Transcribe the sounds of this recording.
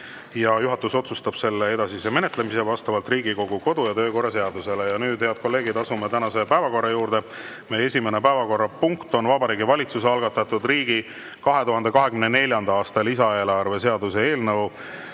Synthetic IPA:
jɑjuɦɑt̪ːˑuso̞t̪sust̪ɑb̥se̞lːee̞d̪ɑsise̞me̞net̪ˑlemis̬e̞vɑst̪ɑvɑlt̪riːɡiko̞ɡ̥uko̞d̪̥ujɑt̪øːko̞rːɑs̬e̞ɑd̪use̞lejɑnyːd̪̥he̞ɑd̪̥̚ko̞lːe̞ːɡid̪ɑsumet̪ænɑse̞pæevɑko̞rːɑjuːɾd̪e̞ | meje̞sʲime̞nepæevɑko̞rːɑpuŋkt̪o̞nvɑbɑɾiːɡivɑlʲit̪sus̬eɑlɡ̥ɑt̪ːɑt̪ud̪riːɡ̥i | kɑɦe̞t̪uɦɑnd̪e̞kɑɦe̞kymnene̞lʲjɑnd̪ɑɑːst̪ɑlisɑe̞ːlɑrve̞s̬e̞ɑd̪use̞e̞ːlnɤw

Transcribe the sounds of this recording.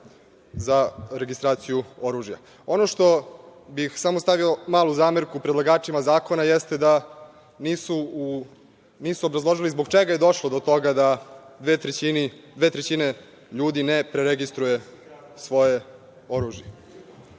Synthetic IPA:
zaɾeɡist̪ɾaːt̪sijuo̞ɾuːʒja̰ | o̞noʃt̪o̞bixsamost̪aʋio̞maːlˠuzaːmeɾkupɾed̪lˠaɡaːt͡ʃimazaːko̞najest̪ed̪a | niːsuu | niːsuobɾazlˠo̞ʒilizboɡt͡ʃeɡaje̞d̪o̞ʃlˠod̪ot̪o̞ɡad̪ad̪ʋeːt̪ɾet͡ɕinid̪ʋeːt̪ɾet͡ɕine | ʎuːd̪inepɾeɾeɡist̪ɾuje | sʋo̞je | o̞ɾuːʒje

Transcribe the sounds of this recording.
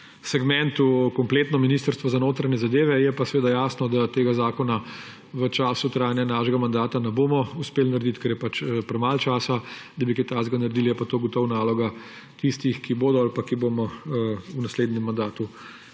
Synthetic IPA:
sɛɡmɛnt̪ukɔmpleːt̪nɔminiːst̪əɾst̪ʋɔzanoːt̪ɾanɛzad̪eːʋɛjɛpasɛʋeːd̪ajaːsnɔd̪at̪eːɡazaːkɔna | ʋət͡ʃaːsut̪ɾaːjnjɛnaːʃɛɡamand̪aːt̪anɛboːmɔuspeːlinaɾd̪it̪kɛɾjɛpat͡ʃpɾɛmalt͡ʃaːsad̪ɐbikɛt̪azɡanaɾd̪iljɛpat̪oːɡɔt̪ɔwnaːlɔɡa | t̪ist̪ixkiboːd̪ɔalpakibomɔunasleːd̪nʲɛmːand̪aːt̪u

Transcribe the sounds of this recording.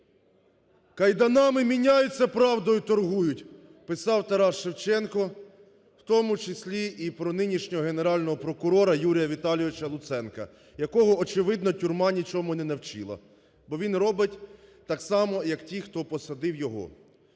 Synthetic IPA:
kɐjd̪ɐnɑmɪmʲinʲajʊt͡sʲːɐpɾɑwd̪ɔjʊt̪ɔrɦujʊtʲ | pɪsɑwt̪ɐɾɑʃewt͡ʃɛnkɔ | w̥t̪ɔmʊt͡ʃɪsʲlʲiipɾɔnɪnʲiʃnʲɔɦɔɦe̞neɾɑlʲnɔɦɔpɾɔkʊɾɔɾɐjuɾʲijɐʋʲit̪ɑlʲjɔʋɪt͡ʃɐlˠʊt̪sɛnkɐ̰ | jɐkɔɦɔːt͡ʃɪʋɪd̪nɔtʲurmɑnʲit͡ʃɔmʊnɛnɐwt͡ʃḭlˠɐ̰ | bɔʋʲinrɔbɪtʲt̪ɑksɑmɔjɐktʲixt̪ɔpɔsɐd̪ɪwjɔɦɔ̰

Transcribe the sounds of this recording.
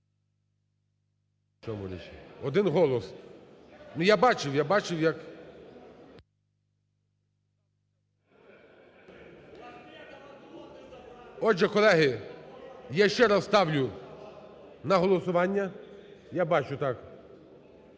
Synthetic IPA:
t͡ʃɔmʊ̰ɾʲḭt͡ʃɪ̰ɔd̪ɪnɦɔlˠɔs | nʊjabɑt͡ʃɪwjabɑt͡ʃɪwjɐk | ɔʒɛkɔlˠɛɦɪ | jaʃt͡ʃɛɾɐzst̪ɑwlʲʊ | nɐɦɔlˠɔsʊʋɑnʲːɐjabɑt͡ʃʊt̪ɑk

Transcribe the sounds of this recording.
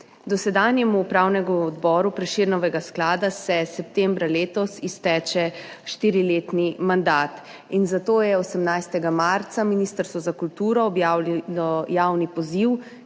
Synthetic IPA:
d̪ɔsɛd̪aːnjɛmupɾawnɛɡuɔd̪bɔɾupɾɛʃiːɾnɔʋɛɡasklaːd̪asɛsɛp̚t̪ɛmbɾaleːt̪ɔsist̪ɛːt͡ʃɛ | ʃt̪iːɾileːt̪nimand̪aːt̪ | inzat̪oːjɛɔsɛmnajst̪ɛɡamaɾt̪saminiːst̪əɾst̪ʋɔzakult̪uːɾɔːbjawllɔjaːwnipɔziw

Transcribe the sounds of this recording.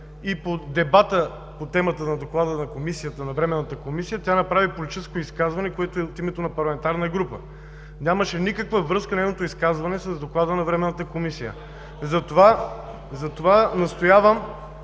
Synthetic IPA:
ipod̪ɛbat̪ə | pot̪ɛmət̪ənɐd̪oklˠad̪ənɐkomisijət̪ənɐvɾɛmɛnːɐt̪əkomisijət̪ʲjanɐpɾavipolit̪iskoiskazvɐnɛkoɛt̪oɛot̪imɛt̪onɐpɐɾlˠɐmɛnt̪aɾnəɡɾupə̰ | nʲaməʃɛnikəkvəvɾɤskənɛjnot̪oʊiskazvɐnɛsɐzd̪oklˠad̪ənɐvɾɛmɛnːət̪əkomisijə̰ | zɐt̪ova | zɐt̪ovanɐst̪ojavəm

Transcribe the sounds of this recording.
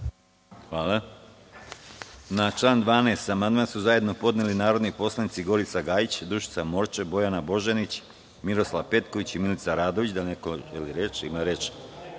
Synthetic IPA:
xʋaːlˠa | nat͡ʃlˠaːnd̪ʋaːneːst̪amand̪mansuzaje̞d̪no̞po̞d̪nelinaːɾo̞d̪nipo̞slˠanit̪siɡo̞ɾit̪saɡaːjit͡ɕd̪ɾuʒit̪samo̞ɾt͡ʃebo̞janabo̞ʒenit͡ɕ | miɾo̞slaʋpe̞t̪ko̞ʋit͡ɕimilit̪saɾaːd̪o̞ʋit͡ɕd̪anekoʒeliɾet͡ʃimaɾet͡ʃ

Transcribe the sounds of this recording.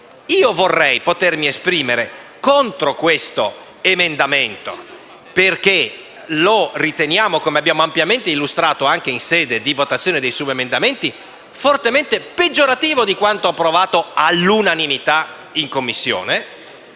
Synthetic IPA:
iːovorːɛjpot̪ermiespɾiːmeɾekont̪ɾokwest̪o | emend̪ament̪o̰ | perke | lorit̪enjaːmokomeabːjaːmoampjament̪eilːust̪ɾaːt̪oaŋk̟einsɛːd̪ed̪ivot̪at̪sjoːned̪ejsubemend̪ament̪i | fort̪ement̪eped͡ʒːoɾat̪iːvod̪ikwant̪oapːɾovaːt̪oalːunanimit̪a | iŋkomːisːjo̰ːne

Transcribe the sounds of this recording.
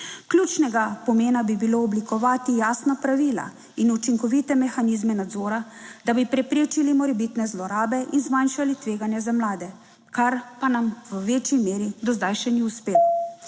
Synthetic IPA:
kljut͡ʃnɛɡapɔmeːnabibiloːblikɔʋaːt̪ijaːsnapɾaʋiːla̰ | inut͡ʃiŋkɔʋit̪ɛmɛxaniːzmɛnad̪zoːɾad̪abipɾɛpɾeːt͡ʃilimɔɾɛbit̪nɛzlɔɾaːbɛʔinzmanʃalit̪ʋeːɡanjɛzamlaːd̪ɛ | kaɾpanamʋəʋeːt͡ʃjimeːɾid̪ɔzd̪ajʃɛniuspeːlɔ

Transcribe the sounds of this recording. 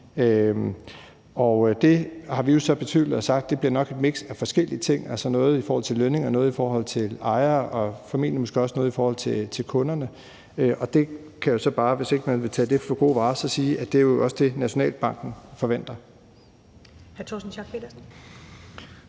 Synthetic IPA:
ø | ɒ̽d̥e̝hɑ̈ʋijo̝sɒ̽b̥e̝t͡sʰy̰ðð̩ˠɒ̽sɑ̈ɡ̥d̥ːe̝b̥liɐnɒ̽ɡ̥e̝d̥meɡ̥sæfɒ̽sɡ̥el̰iət͡sʰe̝ŋ̰ælsɒnɔ̽ːð̞̩ˠifɒːhɒl̰t͡sʰe̝lːøne̝ŋɒ̽nɔ̽ːð̩ˠifɒːɦɒ̽l̰t͡sʰe̝lɑ̈ɪɐɒ̽fæmḭl̰jənmɔsɡ̥e̝ɒ̽snɔːðˠifɒːhɒ̽l̰t͡sʰe̝t͡sʰe̝lkʰɔ̽nɐnə | øʔɒ̽d̥e̝ | kʰæjo̝sɒ̽b̥ɑ̈ːʋe̝se̝ɡ̥əmænʋe̝t͡sʰɛ̰ːd̥e̝fɒ̽ɡ̥o̝̰ːʋɑ̈ːsɒ̽siːʔæd̥eæj̝joɒ̽sə̥d̥e̝næɕo̝nɛ̰ːld̥b̥ɑ̈ŋ̰ɡ̥n̩fɒ̽ʋen̰d̥ɐ | hæɐt͡sʰɒ̰sn̩sʰɑɡ̥ped̥ɐs̩

